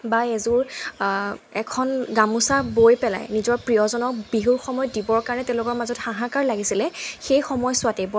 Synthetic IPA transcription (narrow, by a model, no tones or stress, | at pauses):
baezuɹ | ɛkʰɔnɡamusabojpɛla̰jnizɔɹpɹijɔzɔnɔk̚biɦuɹxɔmɔjɔdibɔɹkaɹanɛtɛ̃ʊ̃lʊkɔɹmazɔtxãɦãkaɹlaɡisilɛxejxɔmɔjsʊatɛbɔ